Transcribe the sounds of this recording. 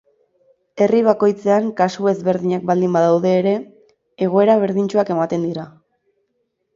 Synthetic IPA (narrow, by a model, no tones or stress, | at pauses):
e̞riβ̞ako̞jt͡se̞aŋkasue̞zβe̞ɾðiɲak̚bald̪imbaðawðe̞ːɾe̞ː | ɣ̞o̞e̞ɾaβ̞e̞ɾðiɲt͡ʃuake̞mat̪e̞nd̪iɾa